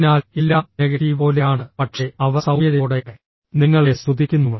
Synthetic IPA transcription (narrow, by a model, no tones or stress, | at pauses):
naːlilːaːneɡɐʈiːpo̞ːlejaːɳɨpɐʈʂe̞ɐʋɐsɐwjɐðeɽee | niŋːɐɭest̪ud̪ʱːikʲːunːuʋɐ